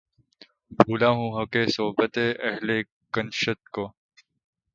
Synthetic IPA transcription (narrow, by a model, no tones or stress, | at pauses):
bʱuːlaːɦũːɦɐkeːsoːbət̪eːʔɐɦle | kənʃət̪̚koː